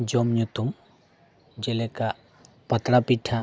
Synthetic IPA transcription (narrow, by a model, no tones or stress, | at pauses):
d͡ʒɔmɲut̪um | d͡ʒɛlɛkaʔ | pat̪ɾapiʈʰa